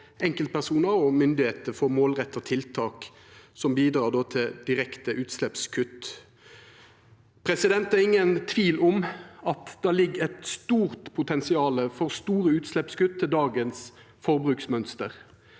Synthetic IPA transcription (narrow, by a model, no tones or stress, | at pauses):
ɛŋkəlt̪̚pʰæʁsuːnəɔmʏnd̪ɪheːt̪əfɔʁmoːlʁɛt̪ːəɔt̪ʰɪlt̪ʰɑːk | sɔmbiːd̪ɾɑːʁd̪oːt̪ʰɪd̪̥ɪʁɛkt̪əʔʉːt̪slɛpskʰʉt̪ː | pʰɾɛsɪd̪ɛnt̪æʁɪŋːənt̪ʰʋiːlɔmɑt̪d̪̥æːlɪɡːɛt̪st̪uːʁt̪pʰʊt̪ʰɛnsɪɑːləfɔʁst̪uːɾəʉːt̪slɛpskʉt̪ʰːɪld̪ɑːɡəns | fɔʁbʁʉːksmœnst̪əʁ